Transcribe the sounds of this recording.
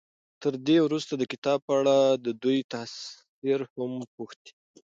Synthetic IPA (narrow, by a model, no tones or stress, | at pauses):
t̪əɾd̪ewɾust̪ad̪əkɪt̪ɑb̚pəaɽad̪əd̪ujt̪as | iɾhampuxt̪i̥